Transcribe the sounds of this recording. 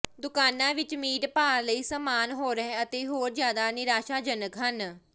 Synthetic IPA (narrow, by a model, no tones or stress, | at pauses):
d̪ʊkaːnãːʋɪt͡ʃmiːʈpaːɾləiːsəmaːnɦoːɾəɛ̃ːət̪eːɦoːɾzjaːd̪aːnɪɾaːʃaːd͡ʒənəkɦən